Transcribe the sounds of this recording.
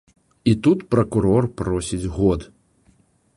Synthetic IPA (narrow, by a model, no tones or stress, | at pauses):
it̪ut̪pɾɐkuɾɔrpɾɔsʲid͡zʲɣɔd̪